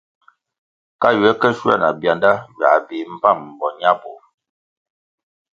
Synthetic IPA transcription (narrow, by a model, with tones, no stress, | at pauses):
ka˦jɛ˦kə˦ʃwa̰˦˨na̰˨bja˨nda˦ɥa̰˨be˨m̩˦pa˦˨m̩ː˨bɔ˨ɲ˦a˦bo˨